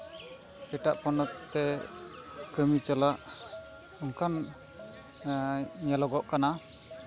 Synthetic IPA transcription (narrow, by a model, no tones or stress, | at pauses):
ɛʈaʔpɔnɔt̪t̪ːɛ | kəmit͡ʃalaʔ | ɔŋkan | ɲalɔɡɔʔkana